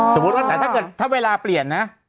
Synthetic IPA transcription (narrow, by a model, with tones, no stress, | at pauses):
so˨˩˦mu˦t̪̚waː˥˩ɛː˨˧˩aː˥˩kɤː˨˩t̪ʰːa˦˥˩weː˧laː˧pli˨˩ənːa˦˥